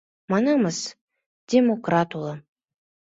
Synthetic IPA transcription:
mɑnɑməs | d̥ʲemokrat̪ulˠə

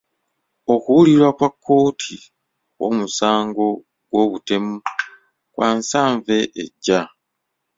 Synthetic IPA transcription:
o̞kuwuliɾwakwakʰːo̞ːtʰi | wo̞musaːŋɡo̞ | ɡ̥wo̞ːβute̞mu | kwʔaːnsaːɱve̞ʔḛɟːa

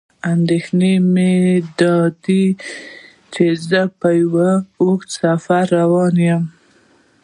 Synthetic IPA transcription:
and̪exnemed̪ɑd̪i | t͡ʃezəpajwəoksafaɾːawɑnjəm

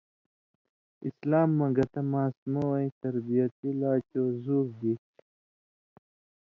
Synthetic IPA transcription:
islaːmːɐɡɐt̪ɐmaːsmowɐĩt̪ɐɾbijɐt̪ilaːt͡ɕoːzuːɾɡi

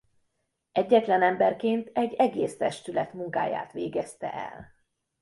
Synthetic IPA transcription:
ɛɟːɛt̪lɛnɛmbɛrkeːnt̪ʰɛɟːɛɡeːst̪ɛʃt̪ylɛt̪muŋka̰ːja̰ːt̪ʋeːɡɛst̪ɛ̰ʔɛ̰l

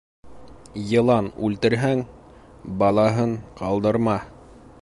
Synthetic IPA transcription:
jɤ̆lˠɑnʉlt̪ɘ̆ɾɦæŋ | bɑlˠɑɦɤɴqɑlˠd̪ɤ̆ɾmɑ

